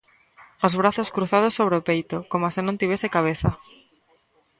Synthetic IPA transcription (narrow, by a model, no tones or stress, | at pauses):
ozβ̞ɾaθoskɾuθað̞ʊsːoβ̞ɾeopejt̪okomasɪnõnt̪iβesɪkaβ̞eθa